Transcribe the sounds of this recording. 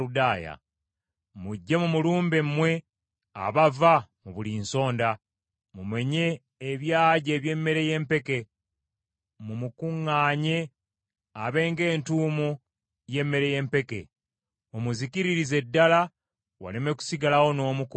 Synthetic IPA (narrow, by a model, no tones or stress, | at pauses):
udaːja̰ | muɟːe̞mumuluːmbemːwe̞ | a̰βavamuβuliːnso̞ːnda | mume̞ɲe̞ː | βjaːɟe̞ːβje̞mːe̞ɾe̞je̞mpe̞ke̞ | mumukuŋːaːɲe̞ | aβe̞ːŋɡe̞ːntuːmu | je̞mːe̞ɾe̞je̞ːmpe̞kḛ | omuzikiɾiɾize̞dːala | wa̰leme̞ku̥siɡalawo̞no̞ːmuk